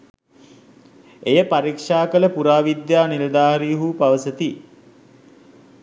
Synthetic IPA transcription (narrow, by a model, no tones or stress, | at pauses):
ejəpaɾikʂaːkələpuɾaːʋid̪jaːniləd̪aːɦɐɾiɦuːpaʋəsət̪i